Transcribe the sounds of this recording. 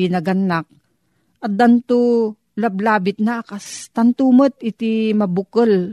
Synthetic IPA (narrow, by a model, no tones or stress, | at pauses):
inɐɡɐnːak̚ | ɐt̪̚d̪ant̪u | lɐblaːbɪt̪̚nakast̪ɐnt̪umət̪̚ɪt̪imɐbʊkəl